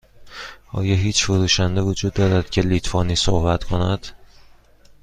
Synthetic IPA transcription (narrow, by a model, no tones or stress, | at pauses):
ɒ̰ːjɒɦiːt͡ʃʰfoɾuːʃænd̪e̞vod͡ʒuːd̪ːɒːɾæd̪̥cʰe̞liːt̪ʰfɒːniːsohbæt̪kʰo̞næd̪̥